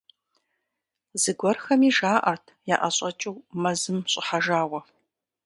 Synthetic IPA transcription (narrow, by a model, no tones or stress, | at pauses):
zɨɡʷɔrxɐmiːʒaːʔɐrtʰjaːʔɐɕʼɐt͡ʃʼɨwmɐzɨmɕʼɪħaʒaːwɐ